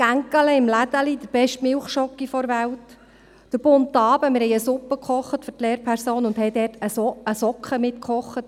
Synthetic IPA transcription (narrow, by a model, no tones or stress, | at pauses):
kæŋkələɪmlæd̥̪əlid̥̪əb̥ɛʃtmɪlχʃɔkːifɔɾʋælt | d̥əɾb̥ʊntːɑːbəmɪɾhɛɪəsʊpːəkχɔχətfʏrtleːɾpʰæɾsoːnʊnd̥hɛjdɛːrtəsəsɔkχəmɪtkχɔχːət̚